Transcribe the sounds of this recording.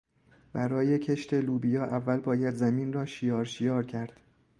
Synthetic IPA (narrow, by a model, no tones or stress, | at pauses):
b̥æɾɒːje̞cʰe̞ʃt̪ʰeluːbijɒːʔævːælbɒːjæd̪zæmiːnrɒːʃijɒːɾʃijɒːɾcʰæɾd̪̥